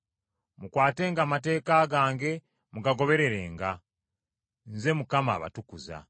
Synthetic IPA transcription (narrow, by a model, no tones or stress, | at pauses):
mukwaːte̞ːŋɡaːmate̞ːkaɡaːŋɡe̞ | muɡaɡo̞βe̞ɾe̞ɾe̞ːŋɡa | nze̞mukama̰ːβa̰tukuza̰